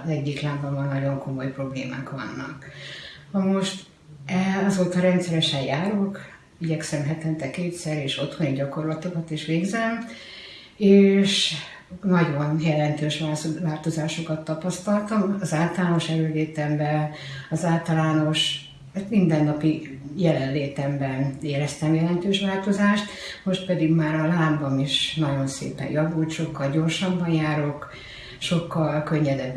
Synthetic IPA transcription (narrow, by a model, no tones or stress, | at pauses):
zɛɟːiklaːnbɒmːɒnnɒɟo̞ŋko̞mo̞jpro̞blḛːma̰ːkʋɒ̰nːɒ̰knɒmo̞ʃt̪ | ɛɒzoːt̪ɒɾɛnt̪sɛɾɛʃɛjjaːɾok | iɟɛksɛmɦɛt̪ɛnt̪ɛkeːt̪sɛɾeːʃo̞t̪ho̞niɟɒko̞rlɒt̪o̞kɒt̪iʃʋeːɡzɛm | eːʃ | nɒɟo̞njɛlɛnt̪øːʃʋaʋaːlt̪o̞zaːʃo̞kɒt̪ːɒpɒst̪ɒlt̪ɒmɒzaːlt̪ɒlaːno̞ʃɛɾøːleːt̪ɛmbɛɒzaːlt̪ɒlaːno̞ʃ | at̪mind̪ɛnːɒpijɛlɛnleːt̪ɛmbɛneːɾɛst̪ɛmjɛlɛnt̪øːʃʋaːlt̪o̞zaːʃt̪mo̞ʃt̪̚pɛd̪iɡmaːɾɒlaːmbɒmiʃnɒɟo̞nsḛːpɛ̰jjɒvuːlt̪ʃo̞kːɒlɟo̞ːrʃɒbːɒnjaːɾok | ʃo̞kːɒlkø̞ɲːɛd̪ɛbː